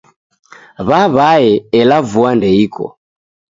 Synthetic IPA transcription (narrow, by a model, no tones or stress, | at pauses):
βaβaɛɛlavuandɛikʰɔ̰